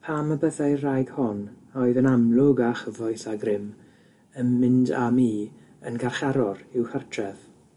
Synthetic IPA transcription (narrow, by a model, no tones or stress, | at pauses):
pʰaməbəðajrajɡ̥hɔn | ɔɨðənamlˠʊɡaχəvɔjθaɡrɪm | ənmɪndamiː | ənɡarχaɾɔɾɪwhərtʰrɛð̥